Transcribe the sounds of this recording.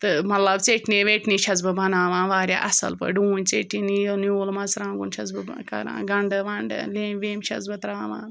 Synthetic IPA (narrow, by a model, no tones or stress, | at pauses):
t̪ɨmɐt̪lɐbt͡seʈʰneːʋeːʈniːʃɐzbɨbɐnaːʋãːnʋaːɾʲja̰ːʔɐsɐ̰lpɐ̰ɖuːnʲt͡seːʈːinijonjoːlmɐzɾãːŋɡunʃɐzbɨkɐ̰ɾã̰ːnɡɐɳɖɨʋɐɳɖɨ̰leːmʋeːmʃɐ̰zbɨt̪ɾaːʋa̰ːn